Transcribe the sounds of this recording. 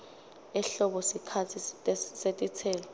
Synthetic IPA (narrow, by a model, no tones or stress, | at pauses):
ɛɬɔɓɔsikʰat͡sʰitʼɛsetʼit͡sʰɛːlɔ